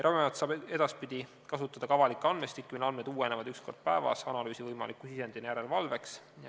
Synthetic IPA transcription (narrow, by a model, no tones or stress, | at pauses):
ɾɑbimɑɑt̪sɑːbe̞d̪̥ɑspid̪̥i | kɑsut̪ːˑɑd̪̥ɑkɑvɑlikːˑɑnmest̪ikːˑunɑnmed̪uːene̞vɑd̪̥yksko̞rd̪̥̚pæevɑ̰sɑnɑlyːsivɤjmɑ̰likːˑusise̞nd̪̥inejæɾelvɑlve̞ks